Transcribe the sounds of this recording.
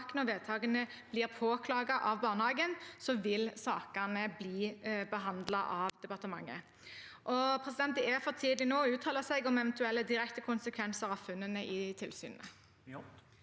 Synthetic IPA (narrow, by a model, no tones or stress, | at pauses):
kənɔʋeːd̪̚t̪ʰɑːɡənə | b̥liːʁpʰoːkʰlɑːɡɑʔɑʋbɑːʁnəhɑːɡənsɔʋɪlsɑːkənəbliːbəɦɑnd̪lɑʔɑʋd̪ɛpɑʁt̪əmɑ̰ŋːə̰ | ʔɔpʰʁɛs̬ɪd̪ɛnt̪əɛfɔt̪ʰiːd̪lɪnoːʉːt̪ʰɑːləsɛɡɔmɛʋɛnt̪ʉɛlːəd̪ɪɾɛkt̪əkʰʊnsəkʰʋɛnsəɾʁɑʋfʉnːənəʔɪt̪ʰɪlsy̰ːnnə